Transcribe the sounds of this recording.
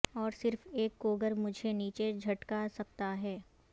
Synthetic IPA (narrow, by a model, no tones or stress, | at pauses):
ɔːɾsɪɾfeːkːoːɡəɾmʊd͡ʒʱeniːt͡ʃed͡ʒʱɐʈkasɐkt̪aɦɛː